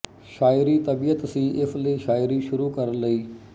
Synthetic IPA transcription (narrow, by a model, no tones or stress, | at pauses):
ʃaːɪɾit̪ɐbijət̪sĩːʔɪfleːʃaːɪɾiʃʊɾuːkɐɾləiː